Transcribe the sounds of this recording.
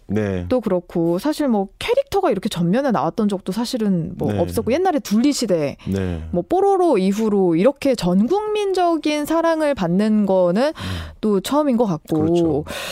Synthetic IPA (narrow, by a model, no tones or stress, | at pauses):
nḛt͈okɯɾʌkʰosʰaɕʰiɭmwʌkʰe̞ɾik̚tʰʌɡaiɾʌkʰe̞t͡ɕʌmːjʌnɯna̰wat̚t͈ʌnd͡ʑʌk̚t͈osʰaɕʰiɾɯnmwʌ̰ːp̚s͈ʌk͈oje̞nːaɾe̞tuʎːiɕʰide̞nmʌpʰoɾoɾoiɸuɾoiɾʌkʰe̞t͡ɕʌnɡuŋmind͡ʑʌɡinsʰaɾaŋɯɭpanːɯnɡʌnɯnt͈ot͡ɕʰʌɯminɡʌk͈at̚k͈o